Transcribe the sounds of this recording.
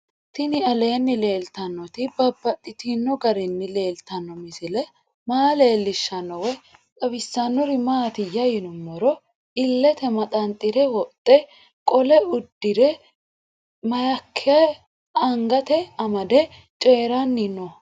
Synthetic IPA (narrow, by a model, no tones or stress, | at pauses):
t̪ɪnɪɐle̞ːnːɪle̞ːlt̪ɐnːɔt̪ɪbɐbːɐt̪ʼːɪt̪inːɔɡɐɾɪnːɪle̞ːlt̪ɐnːɔmɪsɪlɛ | maːle̞ːlːɪʃːɐnːɔwɛ | kʼɐbɪsːɐnːɔɾɪmaːt̪ɪjɐjɪnʊmːɔɾɔ | ɪlːɛt̪ɛmɐt̪ʼɐnt̪ʼːɪɾɛwɔt̪ʼːɛ | kʼɔlɛʊd̪ːɪɾɛ | mɐjɐkʰːɪɐ | ɐŋɡɐt̪ɛɐmɐd̪ɛ | t͡ʃʼeːɾɐnːɪnːɔ